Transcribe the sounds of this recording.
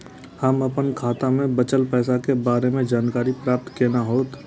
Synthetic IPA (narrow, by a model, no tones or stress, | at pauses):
həmɐpənkʰaːt̪amẽbət͡ʃəlpɛːsakebaːɾemẽd͡ʒaːnkaːɾipɾaːp̚t̪keːnaɦoːt̪